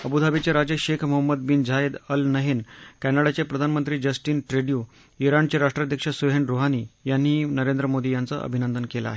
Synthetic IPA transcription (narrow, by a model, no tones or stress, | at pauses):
əbud̪ʱabit͡ɕaɾad͡ʑəɕekʰməɦəmːəd̪bind͡ʑaed̪əlnəɦenkænaɽat͡ɕepɾəd̪ʱanmənt̪ɾiːd͡ʑəsʈiːnʈɾeɽiju | iɾaɳt͡ɕeɾaʂʈɾad̪ʱjəkʂəsuɦeɳɾoɦaniːjanːiːnəɾend̪ɾəmod̪ʱijant͡sə̰ʔə̰bʱinənd̪ənkela̰ɦe